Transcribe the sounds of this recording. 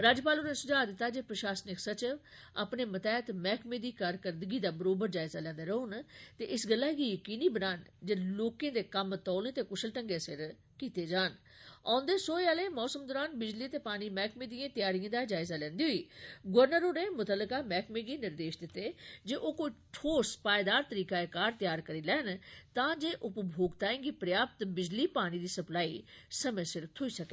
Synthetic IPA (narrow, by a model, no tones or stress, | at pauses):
ɾaːd͡ʒpaːloːnẽːsʊd͡ʒaːd̪ɪt̪ːaːd͡ʒeːpɾəʃaːsnɪksət͡ʃ | a̰pneːmət̪ɛːt̪mɛːkʰmẽːd̪iːkaːɾkəɾd̪əɡiːd̪aːbəɾoːbəɾd͡ʒaːɪzaːlɛ̃ːnd̪eːɾəunt̪eːʔɪsɡəlːaːɡiːjəkiːniːbənaːnd͡ʒeloːkẽːd̪eːkəmt̪ɔːnẽːt̪eːkʊʃəlʈəŋɡeːsɪ̰ɾ | kiːt̪eːd͡ʒaːn | ã̰ːnd̪eːsoːaːleːmɔːsəmd̪ɔːɾaːnbɪd͡ʒliːt̪eːpaːniːmɛːkʰmẽːd̪ijãːt̪jaːɾijãːd̪aːd͡ʒaːɪzaːlɛ̃ːnd̪iːɦʊiːɡʋəɾnəɾoːɽeːmʊt̪əlːəkaːmɛːkmẽːɡiːnɪɾd̪eːʃd̪ɪt̪ːeːd͡ʒeːʔoːkoːiːʈʰoːspaːed̪aːɾt̪əɾiːkaːekaːɾt̪jaːɾkəɾiːlɛːnt̪ãːd͡ʒeːʔʊpbʱoːɡt̪aːẽːɡiːpɾjaːp̚t̪bɪd͡ʒliːpaːñiːd̪iːsəplaːiːsəmə̃sɪɾt̪ʰoiːsəkeː